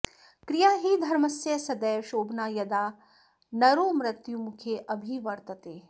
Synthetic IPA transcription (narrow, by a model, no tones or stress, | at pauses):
kɾijaːɦid̪ʱɐɾmɐsjɐsɐd̪ɐjʃoːbʱnaːjɐd̪aː | nɐɾoːmɾɐt̪jumukʰeːʔɐbʱiʋɐɾt̪ɐt̪eː